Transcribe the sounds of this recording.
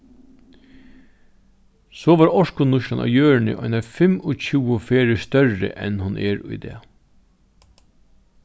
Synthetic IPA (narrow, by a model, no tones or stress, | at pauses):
soːʋɑːɾɔʂkʊnʊʃlɑnɑ̰jøːɹɳə̰ʔɔ̰ʏnɑfɪmɔc͡çʉːəfeːɹəst̪œɹə̰ʔɛnhʊnʔɛːɾʊ̰jd̪ḛː